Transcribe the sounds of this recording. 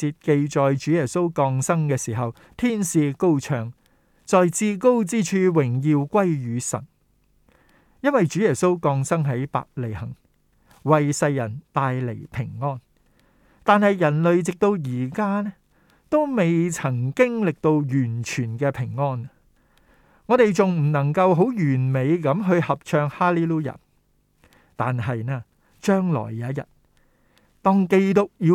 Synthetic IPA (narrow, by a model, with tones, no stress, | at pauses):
t͡siː˧t̚ke˧jt͡ʃɔː˨jt͡ʃyː˨˥jɛː˨˩so˥wkɔː˧ŋsɐ˥ŋkɛː˧siː˨˩ɦɐ˨w | t̪ʰiː˥nsiː˨˧ko˥wt͡ʃʰœː˨˩ŋ | t͡sɔː˨jt͡siː˧ko˥wt͡siː˥t͡ʃʰyː˧wɪ˨˩ŋjiː˨˧wkʷɐ˥jjyː˨˧sɐ̰˨˩n | jɐ˥nwɐ˨jt͡ʃyː˨˥jɛː˨˩so˥wkɔː˧ŋsɐ˥ŋɦɐ˨˥jpa̰ː˧k̚le˨jhɐ˨˩ŋ | wɐ˨jsɐ˧jːɐ˨˩nt̪aː˨jle˨˩jpʰɪ˨˩ŋŋɔː˥n | t̪aː˨nhɐ˨jjɐ˨˩nlɵ˨ɥt͡sɪ˨k̚t̪o˧wjiː˨˩kaː˥nɛː˥ | t̪o˥wme˨jt͡sʰɐ˨˩ŋkɪ˥ŋlɪ˨k̚t̪o˧wjyː˨˩nt͡ʃʰyː˨˩nkɛː˧pʰɪ˨˩ŋːɔː˥n | ŋɔː˨˧ɾe˨jt͡sʊ˨ŋm̩˨˩nɐ˨˩ŋkɐ˧wɦo˨˥wjyː˨˩nme˨˧jkɐ˨˥mɦɵ˧ɥhɐ˨p̚t͡ʃʰœː˧ŋhaː˥liː˥luː˥jɐ̰˨˩n | t̪aː˨nɦɐ˨jnɛː˥ | t͡ʃœː˥ŋlɔ̰ː˨˩jːaː˨˥jɐ̰˨˩t̚ | t̪ɔː˥ŋke˧jt̪ʊ˥k̚jiː˨˧